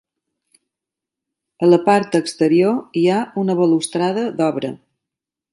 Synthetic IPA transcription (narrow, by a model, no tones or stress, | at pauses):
ələpaɾt̪əkst̪əɾioiaunəβəlust̪ɾaðəd̪ɔβɾə̰